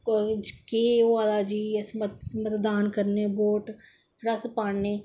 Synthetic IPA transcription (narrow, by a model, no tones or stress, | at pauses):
keaːlaːd͡ʒiːsmət̪mət̪d̪aːnkɐɾneboːʈ | ɾɐspaːɳneː